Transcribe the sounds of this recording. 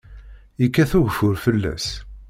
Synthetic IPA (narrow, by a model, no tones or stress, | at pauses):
ikːæθuʝfʊɾfəlːæ̰s